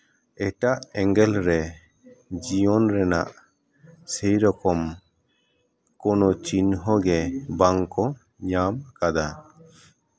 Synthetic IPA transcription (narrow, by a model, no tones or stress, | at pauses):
ɛʈaʔɛŋɡɛlɾɛ | d͡ʒijɔnɾɛna̰ʔ | sɛjɾɔkɔm | kɔnɔt͡ʃinɦɔɡɛbaŋkɔ | ɲamkad̪a